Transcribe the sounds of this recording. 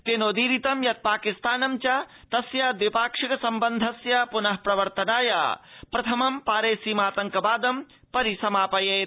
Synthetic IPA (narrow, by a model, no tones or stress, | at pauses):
t̪eːnoːd̪iːɾit̪ɐmjɐt̪̚paːkist̪aːnɐmt͡ʃa | t̪ɐsjaːd̪ʋipaːkʂɐkɐsɐmbɐnd̪ʱɐsjapunɐɦpɾɐʋɐɾt̪ɐnaːja̰pɾɐt̪ʰɐmɐmpaːɾeːsiːmaːt̪ɐŋkɐbaːd̪ɐm | pɐɾisɐmaːpɐjeːt̪